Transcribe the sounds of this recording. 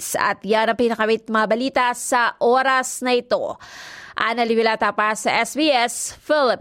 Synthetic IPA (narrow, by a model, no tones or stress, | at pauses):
sɐ̰t̪janɐŋpɪnɐkɐbit̪̚mɐŋɐbɐliːt̪asɐʔoːɾɐsnɐʔɪt̪o̰ʔɐ̰nɐliwɪlaːt̪apasɐʔɛsbiɛsfɪlɪp